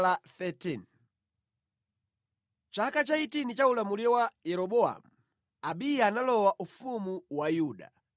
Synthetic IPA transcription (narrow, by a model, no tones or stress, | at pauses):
laθɛtin | t͡ʃakat͡ʃaitinit͡ʃaulamuliɔwajɛɾɔɓɔa̰mu | aɓijanalɔwaʔufumuwajuːɗa̰